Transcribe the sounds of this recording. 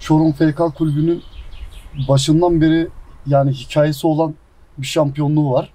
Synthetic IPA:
t͡ʃʰo̞ɾunfejkʰalʲkʰulʲbynyn | baʃɯnd̪anbeɾijaːniɦicʰaːjesio̞lˠan | biʃampʰijo̞nlˠuːvaɾ̥

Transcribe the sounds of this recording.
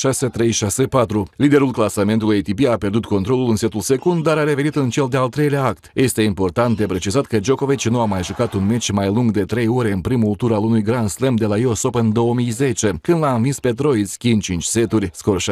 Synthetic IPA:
ʃase̞t̪ɾe̞jʃase̞pat̪ɾulid̪e̞ɾulklasame̞nt̪ulujet̪ipiapʲjerd̪ut̪ko̞nt̪ɾo̞lulɨnse̞t̪ulse̞kund̪d̪aɾaɾe̞ve̞nit̪ɨnt͡ʃe̞ld̪ealt̪ɾe̞jleaak̚t̪jʔe̞st̪e̞impo̞rt̪ant̪̚d̪e̞pɾe̞t͡ʃizat̪kəd͡ʒo̞ko̞vit͡ʃʲnuamajʒukat̪unmet͡ʃʲmajluŋɡd̪e̞t̪ɾe̞jo̞ɾe̞ɨnpɾimult̪uɾalunujɡɾansle̞md̪e̞lajeoso̞pɨnd̪o̞əmijze̞t͡ʃe̞kɨnd̪laɨnvinspe̞t̪ɾo̞isʲkʲint͡ʃint͡ʃʲse̞t̪urʲskorʃ

